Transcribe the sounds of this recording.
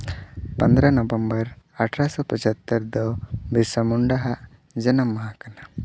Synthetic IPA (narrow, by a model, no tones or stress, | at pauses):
pənd̪ɾanɔbəmbəɾaʈʰɾasɔpət͡ʃat̪ːəɾd̪ɔbisəmuɳɖaɦaʔ | d͡ʒənəmːaɦakana